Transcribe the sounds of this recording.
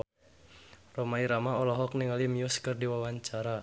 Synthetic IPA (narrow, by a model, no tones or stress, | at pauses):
rɔmaiɾamaɔlɔɦɔk̚niŋalimiʊskɨrdiwawaɲt͡ʃaɾa